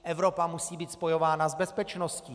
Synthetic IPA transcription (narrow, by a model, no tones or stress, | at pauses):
ʔɛvɾo̞pamusiːbiːt̪spo̞jo̞vaːnazbɛspɛt͡ʃnosciː